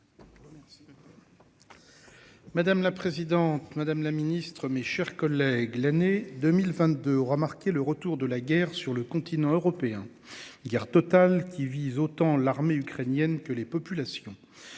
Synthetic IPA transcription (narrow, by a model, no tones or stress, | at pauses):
mad̪amlapχezid̪ɑ̃t̪mad̪amlaminist̪χəmeʃɛʁkɔlɛɡlaned̪ømilvɛ̃t̪̚d̪øɔʁəmaʁkʲeləʁət̪uʁd̪əlaɡʲɛʁsyʁləkɔ̃t̪ʰinɑ̃øʁɔpeɛ̃ | ɡʲɛʁt̪ɔt̪alkʲivizot̪ɑ̃laʁmeykχenjɛnkəlepɔpylasjɔ̃